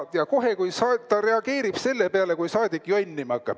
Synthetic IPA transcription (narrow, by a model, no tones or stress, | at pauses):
jɑko̞ɦe̞kujsɑt̪ɑɾe̞ɑɡ̥e̞ːɾib̥se̞lːe̞pe̞ɑle̞kujsɑːd̪̥ikkːˑjonʲːimɑkːˑɑ̰b̥